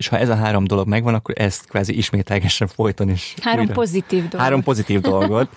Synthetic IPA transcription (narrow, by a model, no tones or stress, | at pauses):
eːʃhɒʔɛzɒɦaːɾo̞md̪o̞lo̞ɡmɛɡvɒnɒkːoɾʔɛst̪kʋaːziʔiʃmeːt̪lɛɡɛʃɛɱfo̞jt̪o̞neːʃhaːɾompozit̪iːvd̪ohaːɾo̞mpo̞zit̪iːvd̪o̞lɡo̞t̪